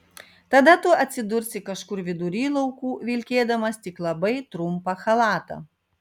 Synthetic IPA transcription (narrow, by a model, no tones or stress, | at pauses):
t̪ɐd̪ɐt̪ʊɐt̪ʲsʲɪd̪ʊɾʲsʲɪkɐʃkʊɾʋʲɪd̪ʊɾʲiːlˠɐʊkuːʋʲɪlʲkʲeːd̪ɐmɐst̪ʲɪklˠɐbɐɪt̪ɾʊmpɐxɐlˠɑːt̪ɐ̰